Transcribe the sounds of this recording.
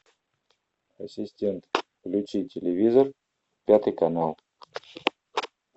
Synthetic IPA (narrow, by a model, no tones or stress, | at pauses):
ɐsʲɪsʲtʲent̪klʲʉt͡ɕitʲɪlʲɪvʲizər | pʲat̪ɨjkɐnalˠ